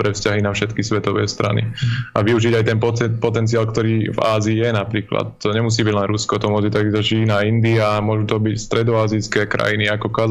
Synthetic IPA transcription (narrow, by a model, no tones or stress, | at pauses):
ɾɛfscaɦinafʃɛt̪kisʋɛt̪ɔʋɛ̰ːst̪ɾa̰nḭaʋiuʒiɟajt̪ɛnpɔpɔt̪ɛnt͡siaːlkt̪ɔɾiːva̰ːziːjɛnapɾiːkla̰t̪ːɔɲɛmus̬iːbiɟlɛnɾuskɔt̪ɔmʊɔd͡zit̪aɡizɔʃiːnaːind̪iamʊɔʒuːt̪ɔbicst̪ɾɛd̪ɔaːzijskɛkɾa̰jiniakɔkaz